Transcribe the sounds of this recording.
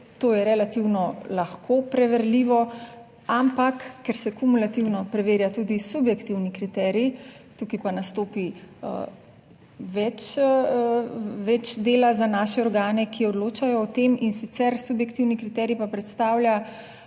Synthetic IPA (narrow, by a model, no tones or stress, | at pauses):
t̪oːjɛɾɛlat̪iwnɔlaxkʰopɾɛʋɛɾliːʋɔ | ampakːɛɾsɛkumulat̪iwnɔpɾɛʋeːɾjat̪uːd̪isubjɛkt̪iwnikɾit̪ɛɾji | t̪ukipanast̪oːpḭ | ʋɛt͡ʃ | ʋɛt͡ʃd̪eːlazanaːʃɛɔɾɡaːnɛkʰiɔd̪loːt͡ʃajɔːt̪eminsit̪sɛɾsubjɛkt̪iwnikɾit̪ɛɾjipapɾɛt̪st̪aːwlʲja